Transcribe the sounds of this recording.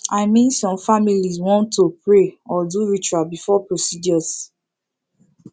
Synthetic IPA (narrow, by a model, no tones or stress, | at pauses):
aɪmĩnsɔ̃mfamilizwɔ̃ntʰːupɹeɔduɹit͡ʃualbifɔpɹosid͡ʒɔs